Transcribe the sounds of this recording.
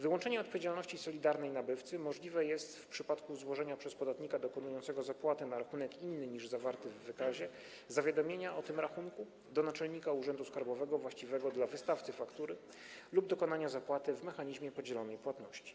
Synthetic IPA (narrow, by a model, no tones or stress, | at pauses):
vɘwɔnt͡ʂɛɲɛɔt̪̚pɔvʲed͡ʑalnɔɕt͡ɕisɔlʲid̪aɾnɛjnabɘft̪sɘmɔʐlʲivɛjɛst̪fpʂɘpat̪kuzwɔʐɛɲapʂɛspɔd̪at̪ɲikad̪ɔkɔnujɔnt̪sɛɡɔzapwat̪ɘnaɾaxunɛkinːɘɲiʐzavaɾt̪ɘvːɘkaʑɛ | zavʲjad̪ɔmʲjeɲaʔɔt̪ɘmɾaxunku | d̪ɔnat͡ʂɛlɲikauʐɛnd̪uskaɾbɔvɛɡɔvwaɕt͡ɕivɛɡɔd̪lavɘst̪aft̪sɘfakt̪uɾɘ | lub̚d̪ɔkɔnaɲazapwat̪ɘvmɛxaɲiʑmʲjɛpɔd͡ʑɛlɔnɛjpwat̪nɔɕt͡ɕi̥